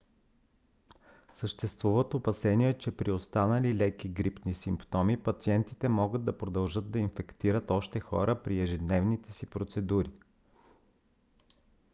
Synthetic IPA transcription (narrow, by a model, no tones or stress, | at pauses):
səʃt̪ɛst̪vuvət̪opɐsɛniɛt͡ʃɛpɾiost̪anəlilɛjkiɡɾipnisimpt̪ɔmipɐt̪siɛnt̪it̪ɛmɔɡɤd̪̚d̪ːɐpɾod̪ɐlˠʒɤd̪d̪ɐinfɛkt̪iɾət̪ɔʃt̪ɛxɔ̰ɾʔəpɾiɛʒɛd̪nɛvnit̪ɛsipɾot̪sɛd̪uɾi